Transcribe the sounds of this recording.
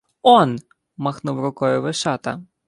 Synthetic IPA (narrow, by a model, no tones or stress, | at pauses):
ɔn | mɐxnuwɾʊkɔjʊʋɪʃɑt̪ɐ̰